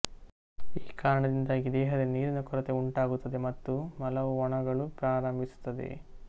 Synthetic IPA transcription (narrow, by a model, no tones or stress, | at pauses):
iːkaːɾɐɳɐd̪ind̪aːɡid̪ɛːɦɐd̪ɐniːɾinɐkɔɾɐt̪euɳʈaːɡut̪ːɐd̪e̞mɐt̪ːumɐlɐʋuɔɳɐɡɐɭupɾaːɾɐmbʱisu̥t̪ːɐd̪e̞̰